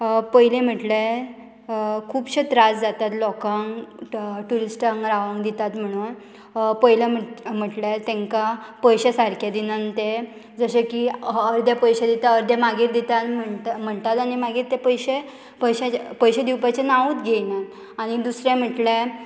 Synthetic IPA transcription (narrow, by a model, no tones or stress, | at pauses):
pəjlem̤əʈle | kʰuːbɕet̪ɾasd͡zat̪at̪lɔkãŋɡ | ʈuɾisʈãŋɡɾaʋãŋɡd̪it̪at̪m̤əɽ̃uːn | pəjlam̤m̤əʈlat̪ɛ̃ŋkapəjɕesaɾkʰjad̪inant̪e | d͡zəɕekiəɾd̪ʱjapəjɕed̪it̪aəɾd̪jamaɡiːɾd̪it̪anməm̤əɳt̪at̪añimaɡiːɾt̪epəjɕe | pəjɕepəjɕed̪iwpat͡ɕenaʋut̪ɡʱejna | aɽ̃id̪usɾẽm̤əʈle